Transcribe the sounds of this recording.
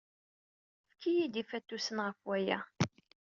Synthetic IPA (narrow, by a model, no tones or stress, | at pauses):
fkijid̪ifæt̪ːusənʁəfwæjæ̰